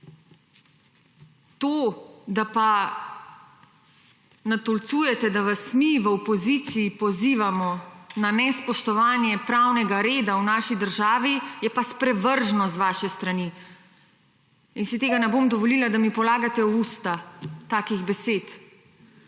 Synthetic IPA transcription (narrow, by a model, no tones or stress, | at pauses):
t̪oːd̪apa | nat̪ɔlt̪suːjɛt̪ɛd̪aʋasmiʋəɔpɔzit̪siːpɔziːʋamɔnanɛspɔʃt̪ɔʋaːnjɛpɾawnɛɡaɾeːd̪awnaːʃid̪əɾʒaːʋijɛpaspɾɛʋəɾʒnɔzʋaːʃɛst̪ɾani | insit̪eːɡanɛbomd̪ɔʋɔliːlad̪amipɔlaːɡat̪ɛust̪at̪aːkiɣbɛseːt̪